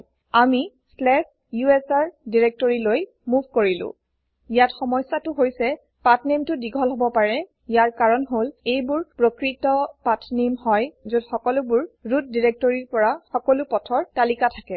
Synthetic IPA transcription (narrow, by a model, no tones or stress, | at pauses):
ami | slɛp | juɛsaɹdiɹek̚tɔɹiloj | mubʱkoɹilʊ̰̃ | ijatxɔmɔjsːatʊɦojsɛ | patʰnemtʊdiɡʱɔlɦobɔpaɹɛ | jaɹkaɹɔnɦolejbʊɹpɹokɹitɔpatʰnemhɔjzodxɔkɔlʊbʊɹɹut̚diɹek̚tɔɹiɹpɔɹaxɔkɔlʊpɔtʰɔɹtalikatʰakɛ